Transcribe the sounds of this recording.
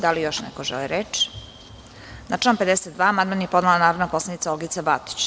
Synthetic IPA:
d̪alijoʃnḛkoʒɛ̰liɾet͡ʃi̥ | naʈ͡ʂaːnmped̪eset̪̚d̪ʋaːamand̪manjepo̞d̪nalanaːɾoʋnapo̞sled̪it̪saolɡit̪sabat̪o̥t͡ɕ

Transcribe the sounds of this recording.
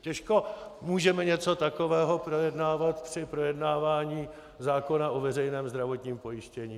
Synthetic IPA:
cɛʃko̞muːʒɛmɛɲɛt͡so̞t̪ako̞vɛːɦo̞pɾo̞jɛdnaːvat̪pr̥ɪpɾo̞jɛdnaːvaːɲiː | zaːko̞naʔovɛrɛjnɛːmzd̪ɾavo̞t̪ɲiːmpo̞jɪʃcɛɲiː

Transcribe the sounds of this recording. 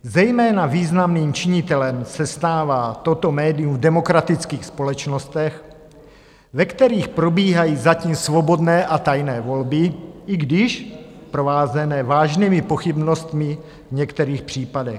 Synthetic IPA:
zɛjmɛːnaviːznamniːmt͡ʃɪɲɪt̪ɛlɛmsɛst̪aːvaːt̪ot̪o̞mɛːdɪumvdɛmo̞kɾat̪ɪt͡skiːxspo̞lɛt͡ʃno̞st̪ɛx | vɛkt̪ɛɾiːxpɾo̞biːɦajiːzaciːmsvo̞bo̞dnɛːʔat̪ajnɛːvo̞lbɪɪɡdɪʃpɾovaːzɛnɛːvaːʒniːmɪpo̞xɪbno̞st̪mɪ | vɲɛkt̪ɛɾiːxpr̥iːpadɛx

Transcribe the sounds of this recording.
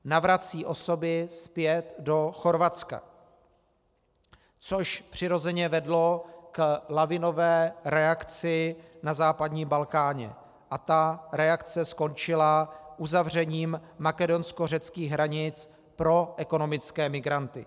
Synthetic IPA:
navɾat͡siːʔo̞so̞bɪspjɛt̪do̞xo̞ɾvat͡ska̰ | t͡so̞ʃpr̝̥ɪɾo̞zɛɲɛvɛdlo̞klavɪno̞vɛːɾɛakt͡sɪnazaːpadɲiːmbalkaːɲɛ̰ | ʔat̪aɾɛakt͡sɛsko̞nt͡ʃɪlaʔuzavrɛɲiːmːakɛdo̞nskor̝ɛt͡skiːɣɦɾaɲɪt͡s | pɾo̞ʔɛko̞no̞mɪt͡skɛːmɪɡɾant̪ɪ

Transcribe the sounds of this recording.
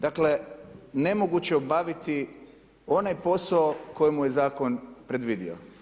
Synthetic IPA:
d̪akle̞ne̞moɡut͡ɕeobaʋit̪i | o̞najpo̞saoko̞jemuje̞zaːko̞npɾe̞d̪ʋid̪ḭo̰

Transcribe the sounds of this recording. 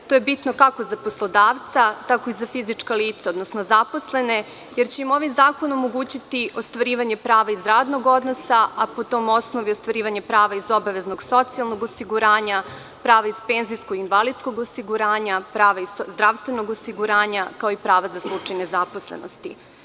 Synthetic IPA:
t̪ojebit̪no̞kako̞zapo̞slˠo̞d̪aːʋt̪sat̪ako̞izafizit͡ʃkaliːt̪saod̪nosnozapo̞sle̞ne̞ | jeɾt͡ɕe̞imo̞ʋizaːko̞nomo̞ɡuːt͡ɕit̪iʔost̪ʋaɾiːʋaɲe̞pɾaːʋaizɾaːd̪no̞ɡo̞d̪no̞saapo̞t̪o̞mo̞sno̞ʋiost̪ʋaɾiːʋaɲepɾaːʋaizo̞baʋe̞zno̞ɡso̞t̪sialˠnoɡosiɡuɾaːɲa | pɾaːʋaizpeːnzijskoɡinʋalˠid̪sko̞ɡosiɡuɾaːɲapɾaːʋaizd̪ɾaʋst̪ʋe̞no̞ɡosiɡuɾaːɲakao̞ipɾaːʋazaslˠut͡ʂajnezapo̞slḛno̰st̪i

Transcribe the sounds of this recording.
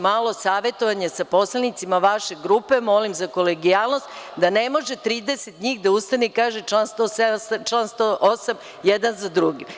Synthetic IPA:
maːlo̞saːʋe̞t̪o̞ʋaɲesapo̞slˠenit̪simaʋaʃe̞ɡɾupe̞mo̞limzako̞leɡijaːlˠno̞st̪d̪anemo̞ʒet̪ɾiːd̪eset̪ɲiːxd̪aust̪aniikaːʒet͡ʃlˠanst̪oset͡ʃlˠanst̪oʔosam | jed̪anzad̪ɾuɡi

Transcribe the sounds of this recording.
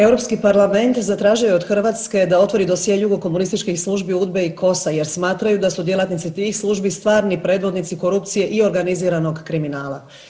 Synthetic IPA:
e̞wɾo̞pskipaɾlˠame̞nt̪zat̪ɾaːʒieo̞d̪xr̩ʋaːt̪ske̞d̪ao̞t̪ʋo̞ɾid̪o̞sjeejuɡo̞ko̞munist̪it͡ʃkixslˠuʒbiud̪be̞iko̞saje̞ɾsmaːt̪ɾajud̪asud̪je̞lˠat̪nit̪sit̪iːxslˠuːʒbist̪ʋaːɾnipɾe̞ːd̪ʋo̞d̪nit̪siko̞ɾup̚t̪sije̞ʔio̞ɾɡaniziːɾano̞ɡkɾiminaːla̰

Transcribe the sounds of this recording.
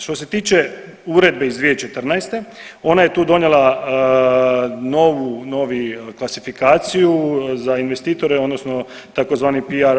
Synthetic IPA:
ʃt̪o̞se̞t̪iːt͡ʃe | uɾe̞d̪̚be̞izd̪ʋiet͡ʃe̞t̪r̩najst̪e̞o̞naje̞t̪uːd̪o̞nelˠa | no̞ːʋuno̞ːʋiklˠasifikaːt̪sijuzainʋe̞st̪iːt̪o̞ɾeo̞d̪nosno | t̪akozʋaːnipiaɾ

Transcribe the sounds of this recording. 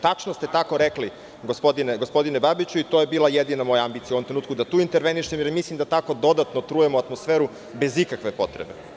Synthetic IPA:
t̪at͡ʂnost̪e̞t̪ako̞ɾekli | ɡospod̪ineɡospo̞d̪inebabit͡ɕuit̪ojebiːlˠajed̪inamo̞jaambit̪ijauomt̪ɾeuːt̪̚kud̪at̪uːint̪eɾʋeniʃt̪emjeɾmislˠimd̪at̪ako̞d̪o̞d̪at̪not̪ɾujemoat̪mo̞sfeɾu | be̞zikakʋe̞po̞t̪ɾḛbe

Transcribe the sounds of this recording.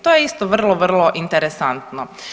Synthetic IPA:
t̪ojeist̪oʋr̩lˠoʋrlˠoʔint̪eɾesant̪no

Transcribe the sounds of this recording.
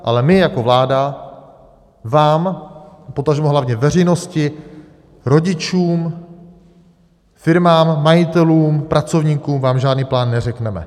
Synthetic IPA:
ʔalɛmɪjako̞vlaːda | vaːmpo̞t̪aʒɛmɛɦlavɲɛvɛr̝ɛjno̞scɪ | ɾo̞ɟɪt͡ʃuːm | fɪɾmaːmːajɪt̪ɛluːmpɾʔat͡so̞vɲiːkuːmvaːmʒaːdniːplaːnːɛrɛknɛmɛ̰

